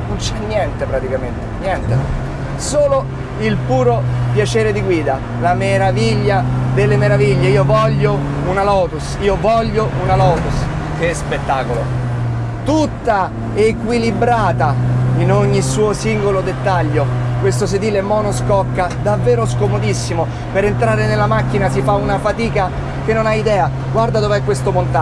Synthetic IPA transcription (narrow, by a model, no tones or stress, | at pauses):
nont͡ʃɛnːjɛnt̪epɾat̪ikament̪enjɛnt̪e | soːlo | ilpuːɾopjat͡ʃeːɾed̪iɡwiːd̪a | lameɾaviʎːad̪elːemeɾaviʎːeiːovɔʎːo | unalɔːt̪usiːovɔʎːounalɔːt̪us | kespet̪ːaːkolo | t̪ut̪ːa | ekwilibɾaːt̪ainoɲːisuːosiŋɡolod̪et̪ːaʎːokwest̪osed̪iːlemɔnoskɔkːad̪avːeːɾoskomod̪isːimo | peɾent̪ɾaːɾenelːamakːinasifaunafat̪iːka | k̟enːonaid̪ɛːa | ɡward̪ad̪ovɛkːwest̪opont̪a